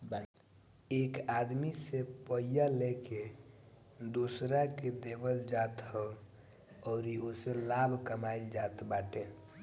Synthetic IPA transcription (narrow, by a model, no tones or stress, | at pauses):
ekad̪misepəjjaleke | d̪osɾaked̪ebəld͡ʒat̪hə | ɔːɾioselabʱkəmaild͡ʒat̪baʈe